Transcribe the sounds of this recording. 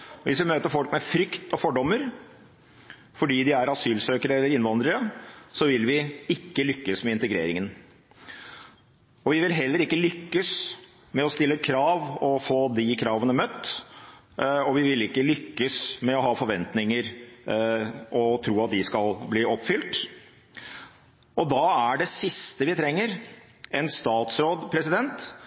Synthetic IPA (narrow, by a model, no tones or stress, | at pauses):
ʋʔɪsʋɪmøːt̪əɾfɔlkmɛfɾʏkt̪ɔfɔɖɔmːəɾ | fɔɖiːd̪ɪæɾɑsyːlsøːkəɾəɛlːəɾɪnʋɑnd̪ɾəɾəsɔʋɪlʋɪɪkːəlʏkːəsmɛɪnt̪əɛɡɾḛːɾɪŋən | ɔʋɪʋɪlɦɛlːəɾɪkːəlʏkːəs | mɛɔst̪ɪlːəkʰɾɑːʋɔfoːd̪ɪkʰɾɑːʋənəmœt̪ː | ɔʋɪʋɪlɪkːəlʏkːəsmɛɔɦɑːfɔɾʋɛnt̪nɪŋəɾ | ʔɔt̪ʰɾuːɑt̪̚d̪ɪskɑlbliːɔpːfʏlʈ̪ | ɔd̪ɑæɖɛsɪst̪əʋɪt̪ʰɾɛŋːəɾ | ɛnst̪ɑːt̪sɾoːd̪pʰɾɛsɪd̪ɛnt̪